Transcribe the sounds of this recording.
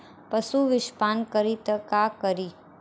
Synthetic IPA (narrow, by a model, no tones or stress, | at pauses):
pəsuʋɪʃpaːnkəɾit̪əkakəɾi